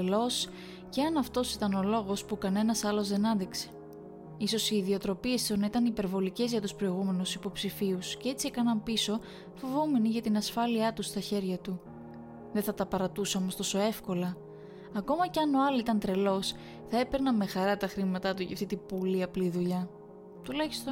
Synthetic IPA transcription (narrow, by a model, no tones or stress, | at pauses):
lo̞s | ceɐnɐft̪o̞sit̪ɐno̞lo̞ɣo̞spukɐne̞nɐsɐlo̞zðe̞nɐnd̪ikse̞̥ | iso̞siːðio̞t̪ɾo̞pie̞st̪onɐit̪ɐnipe̞ɾvo̞lice̞zʝɐt̪uspɾo̞iɣume̞nusipo̞psifiusce̞e̞t͡siekɐnɐmpiso̞ | fo̞vome̞niʝɐt̪inɐsfɐliɐt̪ust̪ɐçe̞ɾʝɐt̪u | ðeθɐt̪ɐpɐɾɐt̪usoomost̪o̞so̞e̞fko̞lɐ | ɐko̞mɐce̞ɐno̞ɐloit̪ɐnt̪ɾe̞lo̞s | θɐe̞peɾnɐme̞xɐɾɐt̪ɐxɾimɐt̪ɐt̪uʝɐ̰ft̪it̪ibuliɐpliðuʎɐ | t̪ulɐçi̥st̪o